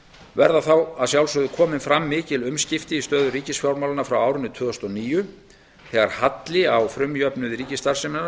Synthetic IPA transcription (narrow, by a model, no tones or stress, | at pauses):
vɛɾðaθawaðsjawlsʏɣðʏkʰɔːmɪnfɾamːɪːcɪlʏmscɪft̪ɪist̪œːðʏɾiːcɪsfjawɾmawlanafɾawaːwɾʏnːɪt̪ʰvʏːðɔst̪ɔniːjʏ | θɛːɣaɾ̥hat̪lɪawfɾʏmjœpnʏðɪɾiːcɪst̪aɾ̥sɪmɪna